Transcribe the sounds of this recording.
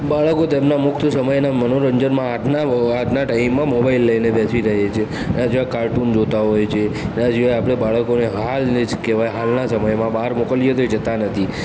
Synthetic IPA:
baɭəkot̪emnamʊkʰt̪ʰsəməjnamənoɾəɲd͡ʒənmãːʈʰnaaʈʰnaʈaimːãmobailːəjnebɛsiɾəɦet͡ʃʰe | nãd͡ʒeʋakaɾʈund͡ʒot̪aɦɔjt͡ʃʰenad͡ʒiʋajapɽ̃ebaɭəkoneɦalned͡ʒkeʋajɦalnasəməjmãbaɾmokəlijet̪oed͡ʒət̪anət̪ʰi

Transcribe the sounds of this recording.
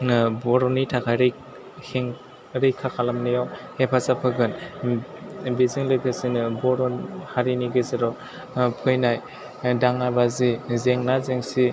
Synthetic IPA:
nɯbɔɾɔnitʰakʰajɾɯ | heŋ | ɾɯjkʰakʰalamnijawhepʰasapʰɯɡɯn | biziŋlɯjkʰɯsinɯbɔɾɔnhaɾiniɡɯzeɾɔ | pʰɯjnaj | daŋabazizeŋnazeŋsi

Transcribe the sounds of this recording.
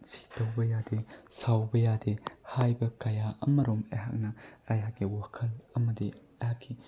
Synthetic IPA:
si̥tɐwbɐjadesawbɐjadehajbɐkɐjaʔɐ̰mɐɾomḛɦa̰k̚nɐajakɡiwakʰɐlɐmɐdiehakːi

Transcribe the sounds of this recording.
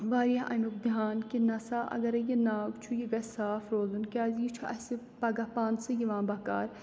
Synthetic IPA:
ʋaːɾijaʔɐ̰muk̚d̪jaːnkinɐsaʔɐ̰ɡɐɾɐjenaːɡt͡ʃʰujiɡɐsaːfɾoːzunkʲaːzjit͡ʃʰuɐ̰sɨ | pɐɡapaːnsɨjiʋãːnbɐka̰ːɾ

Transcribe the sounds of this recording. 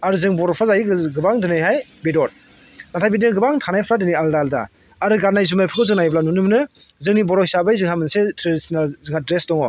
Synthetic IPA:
aɾɯzɯŋbɔɾɔpʰɾazaɡiɡɡɯbaŋdɯnajɦajbedɔt̚ | natʰajbednɯɡɯbaŋtʰanajpʰɾadɯnajaldalda̰ | aɾɯɡatnajzumajpʰɯkʰɯwzɯŋnajblanunɯmnɯ | zɯŋnibɔɾɔhisabajzɯŋhamɯnsetʰɾedisinalzɯŋadɾesdɔŋɔ

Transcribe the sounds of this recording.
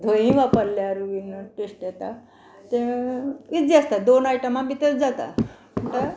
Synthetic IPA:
d̪ʱoɦĩʋapəɾlaɾuʋinoʈesʈjet̪a | t̪ẽ | id͡ziəst̪ad̪onajʈəmãbit̪əɾd͡zat̪a̰ | məɳʈə

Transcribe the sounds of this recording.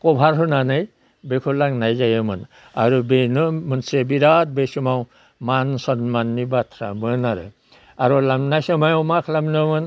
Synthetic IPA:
kɔbʱaɾɦɯnanaj | bekʰulaŋnajzajɯmɯn | a̰ɾubenɯmɯnsebiɾat̚besumaw | mansɔnmanːibatʰɾa̰mɯnaɾɯ̰ | aɾulamnajsamajɔmakʰlamnɯmɯn

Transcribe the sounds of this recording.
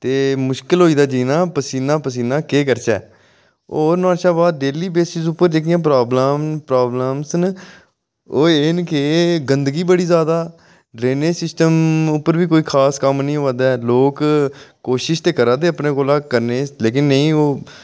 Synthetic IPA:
t̪eːmʊʃkɪlɦoːiːd̪aːd͡ʒiːnãːpəsiːnãːpəs̬iːnãːkeːkəɾt͡ʃɛ̰ː | oːɾnãːʃaːbaːd̪eːliːbeːsɪsʊpːəɾd͡ʒekɪjãːp̬ɾaːbləmpɾaːbləmsn | oːeːnkeːɡənd̪ɡiːbəɽiːzaːd̪aː | ɖɾeːneːsɪsʈəmʊpːəɾʋiːkoːiːkʰaːskəmnĩːoʋaːd̪ɛːloːkkoːʃɪʃt̪eːkəɾãːd̪eːəpnẽːkoːlaːkəɾneːleːk̬ɪnːəĩːoː

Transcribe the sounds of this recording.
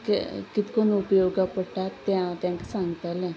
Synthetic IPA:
kḛkɪt̪konuʊpjoːɡapəʈːat̪jãt̪jãːkɪsãŋɡt̪əlɛ̃

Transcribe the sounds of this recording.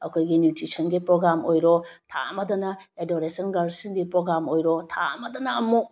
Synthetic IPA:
ɐkʰojɡinjutɾisʰɐnɡipɾoɡɾamojɾɔtʰa̰ɐmɐdɐnɐladoɾesɔnɡaɾsinɡipɾoɡɾamojɾɔtʰa̰ɐ̰mɐdɐnɐɐmuk̚

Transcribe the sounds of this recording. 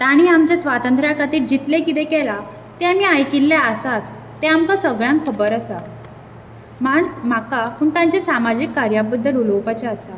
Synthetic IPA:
t̪aɽ̃iːamt͡ɕjasʋat̪ənt̪ɾakat̪iːʈd͡ʑit̪lekit̪ekɛla | t̪eamiːajkilːaəsat͡s | t̪eampəsʋəɡɭjãŋkʰːəbəɾəsa | maɳmakapuɳt̪ãɲt͡ɕasamad͡ʑikːaɾjabəd̪ːəluləwpat͡ɕaəsa

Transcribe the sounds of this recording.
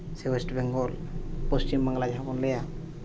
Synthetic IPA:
sewesʈbɛŋɡɔlpɔst͡ʃimbaŋɡlad͡ʒɦapɔnlɛja

